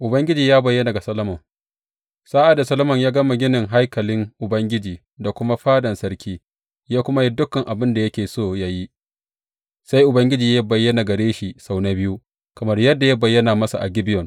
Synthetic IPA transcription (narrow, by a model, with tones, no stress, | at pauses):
ʔʊ˨bɐ˦ŋɡʲɪ˦d͡ʒiː˨jaː˦bɐ˨jːɐ˦na˨ɡa˨sɐ˦lɐ˦mɐ˨ŋ | saː˦ʔa˨da˨sɐ˦lɐ˦mɐ˨ɲjaː˦ɡɐ˦ma˨ɡʲɪ˦nɪ˨ŋɦa˦jkɐ˨lɪ˦ŋʔʊ˨bɐ˦ŋɡʲɪ˦d͡ʒiː˨ | da˨kʷʊ˦ma˦ɸaː˦dɐ˨nsɐ˦ɾkʲiː˦ | jaː˦kʷʊ˦ma˦ji˦dʊ˦kːɐ˨ŋʔa˨bɪ˦nda˨jɐ˦kʲeː˨soː˦˨jaː˦ji˦ | sa˦jʔʊ˨bɐ˦ŋɡʲɪ˦d͡ʒiː˨ja˦bɐ˨jːɐ˦na˨ɡɐ˨ɾeː˦ʃi˨sa˨wna˦bɪ˦ju˦ | kɐ˨mɐ˦rjɐ˦dːa˨ja˦bɐ˨jːɐ˦na˨mɐ˦sa˨ʔa̰˨ɡʲɪ˦bɪ˦jɔ˨ŋ